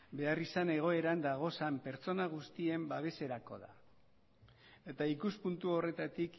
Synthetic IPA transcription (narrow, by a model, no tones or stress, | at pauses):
be̞arisane̞ɣ̞o̞e̞ɾand̪aɣ̞o̞sampe̞ɾt͡so̞naɣ̞ust̪ie̞mbaβ̞e̞se̞ɾako̞̰ða̰ | e̞t̪aikuspunt̪uo̞re̞t̪at̪ik